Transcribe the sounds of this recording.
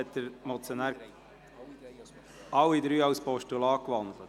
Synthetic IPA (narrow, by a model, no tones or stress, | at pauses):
ɛt̪ːəɾmɔt͡sjoɔnæːɾ | ɑwːid̪ɾyːɑwspɔʃtulɑːkʋɑnd̪lət